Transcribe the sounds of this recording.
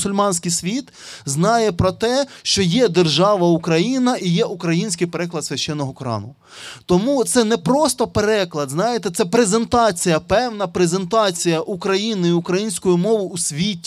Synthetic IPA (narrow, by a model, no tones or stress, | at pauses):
sʊlʲmɑnʲsʲkɪjsʲʋʲit̪ | znɑjɛpɾɔt̪ɛʃt͡ʃɔjɛd̪erʒɑʋɐukɾɐjinɐʔijɛʔukɾɐjinʲsʲkɪjpeɾɛklˠɐd̪sʲʋʲɐʃt͡ʃɛnːɔɦɔkɔɾɑ̰nʊ | t̪ɔmut̪sɛnɛpɾɔst̪ɔpeɾɛklˠɐd̪znɑjet̪ɛt̪sɛpɾezent̪ɑt͡sʲijɐpɛwnɐpɾezent̪ɑt͡sʲijɐʔukɾɐjinɪiʊkɾɐjinʲsʲkɔjʊmɔʋʊʔusʲʋʲitʲ